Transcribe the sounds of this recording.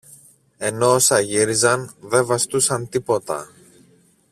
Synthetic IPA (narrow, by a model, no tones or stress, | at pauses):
e̞no̞osɐʝiɾizɐnðe̞vɐst̪usɐnt̪ipo̞t̪ɐ̰